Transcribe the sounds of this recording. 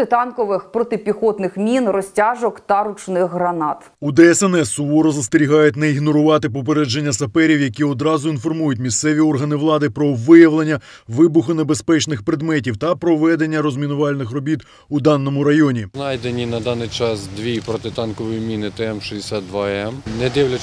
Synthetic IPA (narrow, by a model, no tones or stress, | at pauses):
ɪt̪ɑnkɔʋɪxpɾɔt̪ɪpʲixɔt̪nɪxmʲinrɔsʲtʲaʒɔkt̪ɐɾʊt͡ʃnɪxɦɾɐnɑt̪ | ud̪ɛɛsɛnɛsʊɔɾɔzɐst̪ɪɾʲiɦɑjʊt̚ʲneiɦnɔɾʊʋɑt̪ɪpɔp̬eɾɛd͡ʒenʲːɐsɐpɛɾʲiwjɐkʲiɔd̪ɾɑzʊinfɔrmujʊtʲmʲist̪sɛʋʲiɔrɦɐnɪʋlˠɑd̪ɪpɾɔʋɪjɐʋlˠenʲːɐ | ʋɪbʊxʊnebespɛt͡ʃnɪxpɾed̪mɛtʲiwt̪ɐpɾɔʋɛd̪enʲːɐɾɔzmʲinʊʋɑlʲnɪxrɔbʲit̪ | ud̪ɑnːɔmʊɾɐjɔnʲinɑjd̪enʲinɐd̪ɑnɪjt͡ʃɑsd̪ʋʲipɾɔt̪ɪt̪ɑnkɔʋɔjimʲinɪt̪ɛɛmʃid̪ʲesʲat̪̚d̪ʋaɛmnɛd̪ɪwlʲɐ